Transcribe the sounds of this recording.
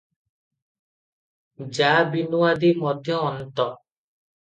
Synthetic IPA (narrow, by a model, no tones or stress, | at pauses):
d͡ʒabinuwad̪imɔd̪ʱjɔːnt̪ɔ